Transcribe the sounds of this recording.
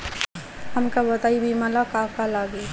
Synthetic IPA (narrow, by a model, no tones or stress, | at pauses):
həmkabət̪aːibʱimalakakalaːɡe